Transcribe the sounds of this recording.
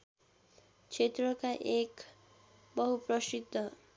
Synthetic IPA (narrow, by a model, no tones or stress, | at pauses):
t͡ʃʰet̪ɾɔkaʔek | bɔɦupɾɔʃid̪ʱɔ